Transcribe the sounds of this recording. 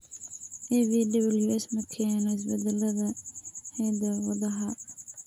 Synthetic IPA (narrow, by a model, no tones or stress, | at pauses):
ʔɛviːdɐβɐljuɛsmɐkʰɛːnɔɪs̬bɛd̪ɛlɐðɐhɛːd̪ɐwɐðɐɦɐ